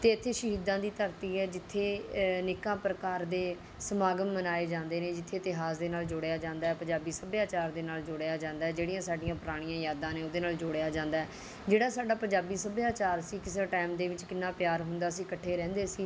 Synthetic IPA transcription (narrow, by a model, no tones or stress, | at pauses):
t̪eːɪt̪ʰːeːʃəɦiːd̪ãːd̪iːt̪əɾt̪iːɛːd͡ʒɪt̪ʰːeːnɪkãːpɾəkaːɾd̪eː | səmaːɡəmːənaːeːd͡ʒãːnd̪eːneːd͡ʒɪt̪ʰːeːt̪ɪɦaːzd̪eːnaːld͡ʒʊːɽejaːd͡ʒãːnd̪aːɛːpəɲd͡ʒaːbiːsəbjaːt͡ʃaːɾd̪eːnaːld͡ʒʊɽejaːd͡ʒãːnd̪aːɛːd͡ʒeːɽijãːsaːɖijãːpɾaːɽ̃ijãːjaːd̪ãːneːoːd̪eːnaːld͡ʒoːɽejaːd͡ʒãːnd̪aːɛː | d͡ʒeːɽaːsaːɖaːpəɲd͡ʒaːbiːsəbjaːt͡ʃaːɾsiːkɪseʈɛːmd̪eːʋɪt͡ʃkɪnːaːpjaːɾɦʊnd̪aːsiːkəʈʰːeːɾɛ̃ːnd̪eːsiː